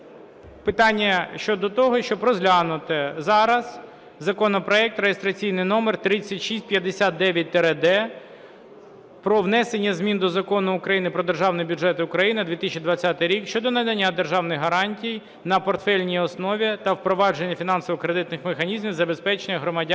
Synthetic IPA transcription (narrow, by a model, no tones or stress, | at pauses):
pɪt̪ɑnʲːɐʃt͡ʃɔd̪ɔt̪ɔɦɔʃt͡ʃɔbɾɔzlʲanʊt̪ɪzɑɾɐz̥ | zɐkɔnɔpɾɔɛk̚t̪rejest̪ɾɐt͡sʲijnɪjnɔmert̪ɾɪt͡sʲːɐtʲʃisʲt̚ʲpjɐd̪esʲat̪̚d̪ɛʋʲjɐt̚ʲt̪ɛɾed̪ɛ | pɾɔʋnɛsenʲːɐzmʲind̪ɔzɐkɔnʊʊkɾɐjinɪpɾɔd̪erʒɑwnɔjbʲuʐɛt̪ɪʊkɾɐjinɪd̪ʋʲit̪ɪsʲt͡ʃʲid̪ʋɐt͡sʲːat̪ɪjɾʲikʃt͡ʃɔd̪ɔnɐd̪ɐnʲːad̪erʒɑwnɪxɦɐɾɑnʲtʲij | nɐpɔrt̪fɛlʲnʲijɔsnɔʋʲit̪ɐwpɾɔʋɑd͡ʒe̞nʲːɐfʲinɑnsɔʋɔkɾed̪ɪt̪nɪxmexɐnʲizmʲiwzɐbe̞spɛt͡ʃenʲːɐɦɾɔmɐdʲ